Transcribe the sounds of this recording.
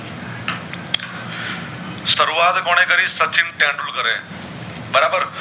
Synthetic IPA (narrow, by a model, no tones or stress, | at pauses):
sɐɾuaːt̪koːɽ̃ẽkəɾisət͡ʃinʈãːɳɖulkəɾḛ̃ | bəɾaːbəɾ